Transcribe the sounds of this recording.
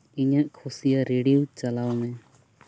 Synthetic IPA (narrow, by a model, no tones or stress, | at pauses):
iɲaʔkʰusijaɾeɽiwt͡ʃalawnɛ